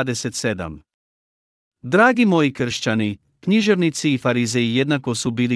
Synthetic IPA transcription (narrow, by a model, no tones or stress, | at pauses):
d̪eset̪sed̪a̰m | d̪ɾaːɡimo̞jikr̩ʃt͡ɕani | kɲiʒeʋnit̪siːfaɾizejije̞d̪nakosubiːli